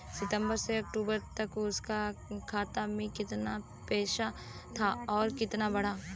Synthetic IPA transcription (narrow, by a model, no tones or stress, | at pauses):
sɪt̪ə̃mbəɾseɐkʈuːbəɾt̪ɐkʊskakʰaːt̪amẽkɪt̪na | pɛːʃat̪ʰaɔːɾkɪt̪nabɐɽ̤aː